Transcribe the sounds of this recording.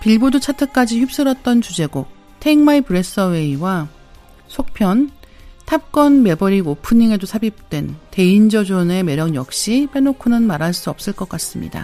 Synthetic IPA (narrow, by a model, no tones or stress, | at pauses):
piɭbodut͡ɕʰatʰɯk͈ad͡ʑiçup̚s͈ɯɾʌt̚t͈ʌnt͡ɕud͡ʑe̞ɡok̚ | tʰeiŋmaipɯɾe̞s͈ʌwe̞iwa | sʰok̚pʰjʌn | tʰap̚k͈ʌnme̞bʌɾiopʰɯɲiŋe̞dosʰabip̚t͈we̞nte̞ind͡ʑʌd͡ʑone̞me̞ɾjʌŋjʌk̚ɕ͈ipe̞nokʰunɯnmaɾɦaɭs͈uʌp̚s͈ɯɭk͈ʌk͈as͈ɯmɲḭda̰